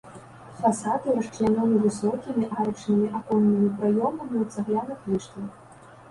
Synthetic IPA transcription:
fasat̪ɨɾɐʂt͡ʂlʲanʲɔnʲivɨsɔkʲimʲiʔaɾɐpt͡ʂnɨmʲiʔakɔnːɨmʲipɾajɔmɐmʲiwt̪saɣlʲanɨxlʲiʂt̪ʲi

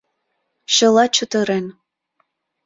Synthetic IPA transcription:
ʃə̆lɑt͡ɕut̪ə̆ɾen

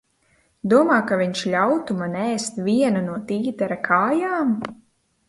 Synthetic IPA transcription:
d̪uɔmaːkaviɲʃʎʲawt̪umanɛːst̪vʲiɛnunuɔt̪iːt̪ɛɾakʰaːjaːm

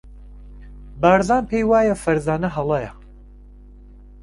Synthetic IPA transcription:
baːɾzaːnpʰejwaːjɐfɐɾzaːnɐɦɐlˠɐjɐ

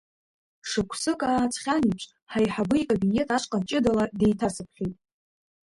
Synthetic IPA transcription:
ʂɨkʷʰsɨkʼaːt͡sʰʼχʲanipʰʂʰʷʼ | ħajħabɨikʼobine̞tʰʼaʂʼqʼant͡ʃʼɪdalade̞jtʰasɨpʰχʲitʼ

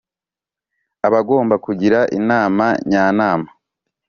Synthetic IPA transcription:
aβaɡo̞ːmbakuɟiɾaʔḭnaːmaɲaːnaːma

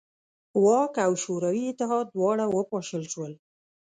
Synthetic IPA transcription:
wɑkawʃoɾawiɪt̪ɪɦɑd̪̚ːwɑɽawəpɑʃəlʃwəl

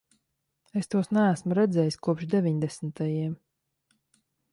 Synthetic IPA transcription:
est̪uɔsnæːsmuɾɛd̪zɛːjisʲkuɔpʃd̪evʲiɲd̪ɛsn̩t̪ajiɛm

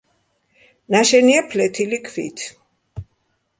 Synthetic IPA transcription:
naʃɛniapʰlɛt̪ʰilikʰvḭt̪ʰ

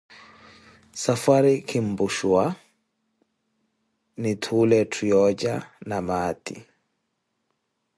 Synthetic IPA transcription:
safaɾikʰimbuʃuwa | nitʰuːlɛtʰujɔd͡ʒanamaːtḭ

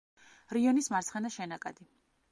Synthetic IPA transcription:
ɾiɔnismaɾt̪sχɛnaʃɛnakʼad̪i

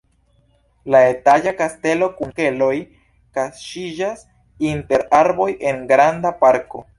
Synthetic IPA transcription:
laetaʎakaste̞lo̞kuŋke̞lo̞j | kasʃid͡ʒas | inte̞ɾaɾbo̞jʔe̞nɡɾandapaɾko̞̰

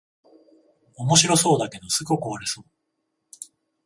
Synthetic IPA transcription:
omo̞ɕiɾo̞so̞ːd̪ake̞d̪o̞sɨɡokoaɾeso̞ː

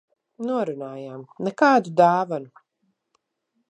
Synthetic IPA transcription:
nuɔɾunaːjaːmnɛkaːd̪ud̪aːvanu

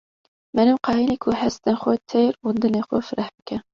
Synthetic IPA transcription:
mɛnɨmqɑːjinekʰuhæst̪ɛnxot̪ʰeɾund̪ɨneːxofɨɾɛhbɨkʰɛ

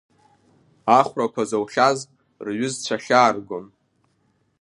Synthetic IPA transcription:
aχʷrakʷazowχʲaz | rɥʏzt͡ɕʷʰaχʲaːrɡon

